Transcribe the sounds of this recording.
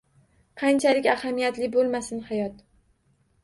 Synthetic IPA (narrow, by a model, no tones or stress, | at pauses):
qʰɑnt͡ʃʰalɪkʲahamijat̪lɪbolˠmasɪnhajɒt̪